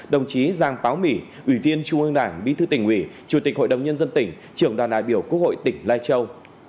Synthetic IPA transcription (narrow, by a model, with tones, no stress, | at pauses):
ɗə˨˩wŋ͡mt͡ɕi˨˦zaː˨˩ŋpaː˨˦wmḭ˧˩ | ʔwi˧˩vi˧ənt͡ɕʊ˧ŋ͡mʔɨ˧əŋɗaː˧˩ŋɗḭ˧˥t̪ʰɨ˧t̪ï˧˩ŋ̟ʔwi˧˩ | t͡ɕu˧˩t̪i˨˩k̚ho̰˧˨jɗə˨˩wŋ͡mɲə˧nzə˧nt̪ï˧˩ŋ̟ | t͡ɕɨ˧˩əŋɗwaː˨˩nɗa̰ː˧˨jɓi˧˩əwku˦˥ək̚ho̰˧˨jt̪ï˧˩ŋ̟laː˧jt͡ɕə˧w